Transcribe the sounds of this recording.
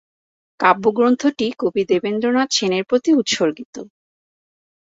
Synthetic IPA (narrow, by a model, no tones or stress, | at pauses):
kabːuɡɾont̪ʰoʈikobid̪ebend̪ɾonat͡ɕʰeneɾpɾot̪iut̪ʃoɾɡit̪o